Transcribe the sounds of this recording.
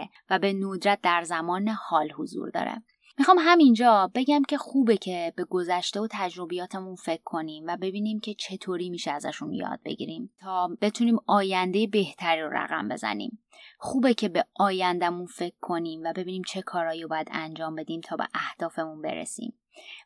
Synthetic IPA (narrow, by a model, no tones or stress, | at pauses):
væbe̞nod̪ɾæt̪̚d̪æɾzæmɒːnehɒːlhozṵːɾd̪ɒ̰ːɾḛ | mixɒːmɦæmind͡ʒɒːbe̞ɟæmcʰe̞xuːbecʰe̞be̞ɡo̞zæʃt̪e̞ot̪ʰæd͡ʒɾo̞bijɒːt̪ʰemunfe̞kʰːo̞niːmvæbe̞biːniːmcʰe̞t͡ʃʰe̞t̪ʰoːɾiːmiːʃeæzæ̰ʃunjɒ̰ːd̪̥̚be̞̰ɟḭːɾimt̪ʰɒːb̥e̞t̪ʰuniːmɒːjænd̪e̞jebeht̪ʰæɾiːɾo̰ɾæ̰ɣæ̰mbe̞̰zæ̰nḭːm | xuːbe̞cʰe̞beʔɒːjænd̪æmunfe̞kʰːo̞niːmvæbe̞biːniːmt͡ʃʰe̞kʰɒːɾɒːjiobɒːjæd̪ænd͡ʒɒːmbe̞d̪iːmt̪ʰɒːbḛʔæhd̪̥ɒːfe̞munbe̞̰ɾḛsḭːm